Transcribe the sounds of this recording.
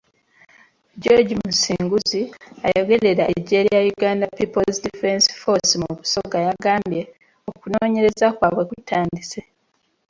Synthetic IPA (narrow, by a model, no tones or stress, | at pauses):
ɟoɟimusiːŋɡuziajo̞ɡe̞ɾe̞ɾaʔeɟeɾijajuɡaːndapipo̞lzdifensfo̞simukuso̞ɡajaɡaːmbje̞ | okunoːɲe̞ɾe̞zakwaːβwe̞kutʰaːndise̞